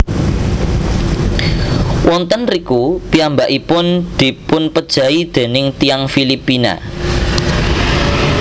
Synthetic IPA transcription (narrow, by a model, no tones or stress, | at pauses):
wʔɔnt̪ənrikupiambaʔipʊnd̪̥i̤pʊnpəd̥ʒ̥ä̤id̪̥e̤nɪŋt̪ijaŋfilipina̰